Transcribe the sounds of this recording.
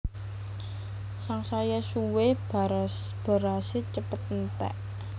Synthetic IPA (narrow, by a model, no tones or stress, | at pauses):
saŋsajasuweb̥asb̥a̤ɾaset͡ʃəpət̪̚n̩t̪ɛ̰ʔ